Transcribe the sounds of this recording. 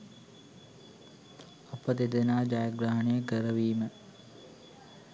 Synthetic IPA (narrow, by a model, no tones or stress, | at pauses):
ɐpəd̪ed̪enaːd͡ʒajəɡɾaɦɐnejəɡəɾəʋiːmə